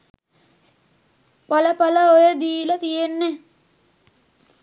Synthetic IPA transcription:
paləpaləojəd̪iːlət̪ijenːe

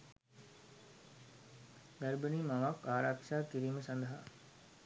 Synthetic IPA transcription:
ɡæɾbəniːmaʋakaːɾakʂaːkiɾiːməsand̪ɐɦa

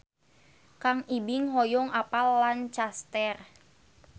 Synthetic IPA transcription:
kaŋibiŋɦɔjɔŋapalːant͡ʃast̪ɛr

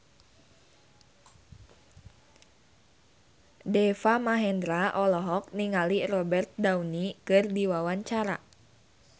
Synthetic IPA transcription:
dɛfamaɦɛnd̪ɾaʔɔlɔɦɔk̚niŋalirɔbɛrt̪̚dawnikɨrdiwawaɲt͡ʃaɾa̰

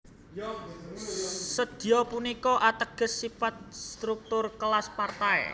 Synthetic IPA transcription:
səd̪̥i̤ɔpunikɔʔat̪əɡ̥ə̤sːifat̪̚st̪ɾuk̚t̪ʊrkəlaspart̪aɛ̰

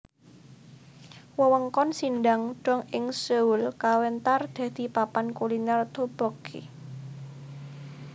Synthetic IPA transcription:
wəwəŋkɔnsindaŋɖ̥ɔ̤ŋɪŋsəulkawɛnt̪ard̪̥ɛ̤d̪̥i̤papankulinart̪ob̥ɔkʰḛ

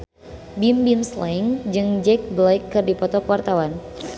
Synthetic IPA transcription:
bimbimslaiŋd͡ʒɨŋd͡ʒɛk̚blaikːɨrdipɔt̪ɔkəwart̪awan

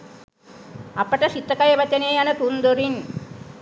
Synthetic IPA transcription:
ɐpːɐʈɐʃit̪ːɐkɐjɐʋɐt͡ʃːɐneːjɐnɐt̪und̪oɾin

